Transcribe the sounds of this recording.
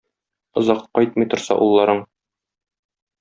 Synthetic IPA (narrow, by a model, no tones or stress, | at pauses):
ŏzɑqːɒjt̪̚mɤ̆jt̪ŏɾsɑ̰ʔulˠːɑɾɤɴ